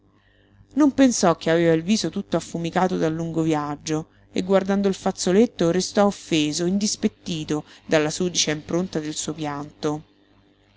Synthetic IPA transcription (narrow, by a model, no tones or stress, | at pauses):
nompensɔk̟ːeaveːvailviːzot̪ut̪ːoafːumikaːt̪od̪alːuŋɡovjaad͡ʒːo | ḛɡːward̪and̪oilfat̪sːolet̪ːoɾest̪ɔofːeːzoind̪ispet̪ːiːt̪od̪alːasuːd̪it͡ʃeimpɾont̪ad̪elsuːopjant̪o